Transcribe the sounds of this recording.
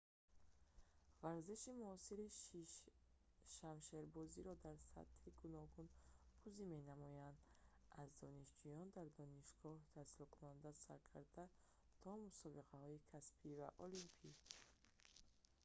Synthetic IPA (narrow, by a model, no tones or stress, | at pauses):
vaɾziʃimuɔsiɾi | ʃamʃeɾbɔziɾɔd̪aɾsa̰t̪hiɡunɔɡunbʰuzime̞namɔjand̪azd̪ɔniʃd͡ʒujɔnd̪aɾd̪ɔniʃɡ̥ɔht̪ʰasilɔkʰunand̪asa̰ɾkʰa̰ɾd̪a | t̪ʰɔmusɔbiqʰahɔikʰaspʰiva̰ʔɔlimpʰi